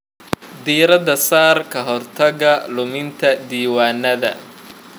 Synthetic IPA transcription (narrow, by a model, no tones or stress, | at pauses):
d̪iːɾɐd̪ɐsaːrkʰɐɦɔrt̪ʰɐɣɐlʊmɪnt̪ʰɐd̪iːwaːnːɐðɐ̰